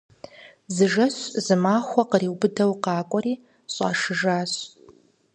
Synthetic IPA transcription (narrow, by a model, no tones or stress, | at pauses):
zɨʒɐɕzɨmaːxʷɔqəriːwbɨdɐwqɑːkʷʼɔriː | ɕʼɑ̰ːʂɨʒaːɕ